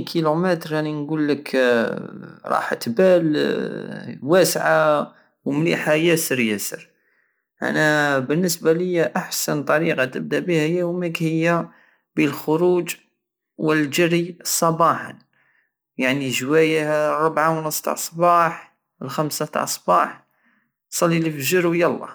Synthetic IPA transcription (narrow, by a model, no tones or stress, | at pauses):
kʰilumət̪ɾæninɡulːək | ɾˤɑ̰ħt̪bæl | wæsʕa | wmliħajæsəɾjæsə̰ɾ | ʔæ̰næbənːəsbaləjːæʔaħsənt̪ˤɑɾiqɑt̪əb̚d̪æbihəjːæhʊməkhəjːa | bəlxʊɾud͡ʒ | wəld͡ʒəɾisˤɑbɑħɑ̰n | jaʕniʒwæjahrˤːʊbʕawnəsˤt̪ɑ̰ʕsˤbɑħ | əlxæmsat̪ɑ̰ʕsˤbɑħ | sˤɑlːilifʒəɾwjɑlˤːɑ̰